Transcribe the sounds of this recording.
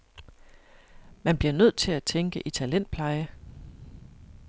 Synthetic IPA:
mænb̥liɐnøð̞̰ˠt͡sʰe̝læt͡sʰeŋɡ̥əʔit͡sʰælen̰d̥̚pʰlɑ̈ɪə

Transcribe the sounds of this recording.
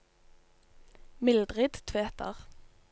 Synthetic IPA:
mɪld̪ʁɪd̪t̪ʰʋeːt̪ʰə̰ʁ

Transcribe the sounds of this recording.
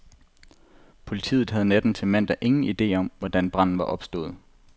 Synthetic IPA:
pʰo̝lit͡sʰḭːð̩ˠɦæð̞̩ˠned̥n̩t͡sʰe̝mæn̰d̥ɐʔe̝ŋn̩id̥e̝̰ːɒ̽mʋɒd̥ænb̥ʁɑ̈n̰n̩ʋɑ̈ʔɒ̽b̥sd̥ɔ̽ːð̞̩ˠ

